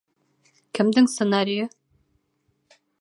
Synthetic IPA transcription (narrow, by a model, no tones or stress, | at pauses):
kɘ̆md̪ɘŋsə̆naɾʲijɤ